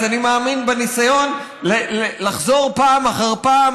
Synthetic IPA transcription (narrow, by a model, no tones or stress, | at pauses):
animaːminbenisajo̞n | lelelaχzo̞ʁpaːmaχaʁpaːm